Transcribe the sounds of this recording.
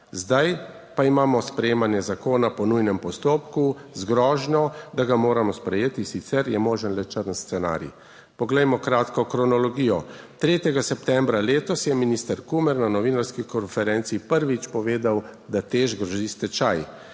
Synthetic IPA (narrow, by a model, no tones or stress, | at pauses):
zd̪aj | paimaːmɔspɾɛjeːmanjɛzakoːnapɔnujnɛmpɔst̪oːpkuzɡɾɔːʒnɔd̪aɡamoːɾamɔspɾɛjeːt̪isit̪sɛɾjɛmoːʒənlɛt͡ʃəɾnst̪sɛna̰ːɾjḭ | pɔɡlɛjmɔkɾaːt̪kɔkɾɔnɔlɔɡiːjɔt̪ɾeːt̪jɛɡasɛp̚t̪ɛmbɾaleːt̪ɔsjɛminist̪əɾkumɛɾnanɔʋiːnaɾskikɔnfɛɾɛnt̪siːpəɾʋit͡ʃpɔʋeːd̪awd̪at̪eːʒɡɾɔʒist̪ɛt͡ʃaj